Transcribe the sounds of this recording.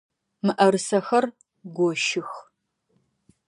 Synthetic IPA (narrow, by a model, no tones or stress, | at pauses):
mɨʔɐɾɨsɐxɐr | ɡʷɔʃɪx